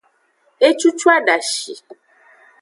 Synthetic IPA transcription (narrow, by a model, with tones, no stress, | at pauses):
e˦t͡ʃu˦t͡ʃu˦a˦ɖa˨ʃi˨